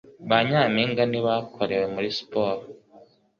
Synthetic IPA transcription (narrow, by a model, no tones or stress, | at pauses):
βaɲaːmiːŋɡaniβakʰo̞ɾe̞we̞muɾispoːɾo